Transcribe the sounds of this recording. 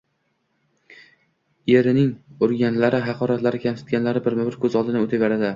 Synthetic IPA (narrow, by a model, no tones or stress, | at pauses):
e̞ɾɪnɪŋʊɾɡʲanlaɾɪɦɑqʰɒɾat̪laɾɪkʲʰamsɪ̥t̪̚ʲkʲanlaɾɪbɪɾmabɪɾkʰɵzɒlˠd̪ɪnaot̪ʰaveɾad̪ɪ